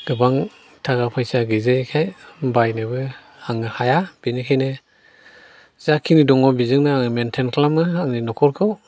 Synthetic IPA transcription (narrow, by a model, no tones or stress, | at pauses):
ɡ̥ɯbaŋ | tʰaɡapʰajsaɡɯzɯkʰajbajnebɯ | aŋɯhajab̥inikʰajnɯ | zakʰinidɔŋɔbizɯŋnaaŋɯmentʰenkʰlamɯaŋninɔkʰɔɾkʰɯw